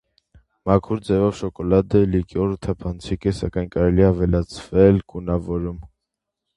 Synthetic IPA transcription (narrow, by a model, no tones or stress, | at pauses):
mɑkʰuɾd͡zɛvɔvʃɔkɔlɑd̪əlikiɔɾət̪ʰɑpʰɑnt͡sʰikɛsɑ̰kɑjnkɑɾɛliɛɑvɛlɑt͡sʰvɛlkunɑvɔɾum